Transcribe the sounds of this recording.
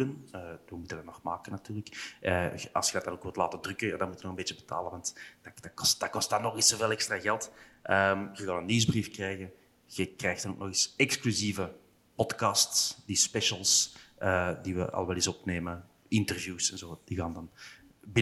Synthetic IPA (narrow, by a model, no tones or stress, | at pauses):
dənəʋəmutəndɑtnɔxmaːkənɑtyːrləkʔəɑ̰lˠsxədɑtdɑnoːkʋɪlˠtlaːtədrʏkənja̰ːdɑnmutənɔɣəmbeːt͡ʃəbəta̰ːlənʋɑntd̥ad̥akɔst̚d̥aːkɔstdɑnːɔxisoveːlˠɛkstraːɣɛlˠt | ʔəmɣəɣaːnənːizbrifkrɛjɣən | ɣəkrɛjxtɑnoːk̚nɔxisɛksklyzivə | pɔtkɑstsdispɛʃəlˠsʔədiʋə̰ʔɑ̰lˠəʋɛlˠɪsɔpneːmə | ɪntərvjuːsɛnzoːd̥iɣaːndɑn | bɪ